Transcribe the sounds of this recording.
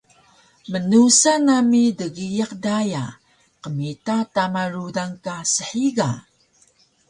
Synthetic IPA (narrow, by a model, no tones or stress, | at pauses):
mənusanamidəɣijaqdaja̰ | qəmitatamarudaŋkasəħiɡa